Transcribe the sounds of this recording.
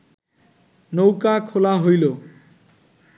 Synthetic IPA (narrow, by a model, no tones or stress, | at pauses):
nowkakʰolaɦojlo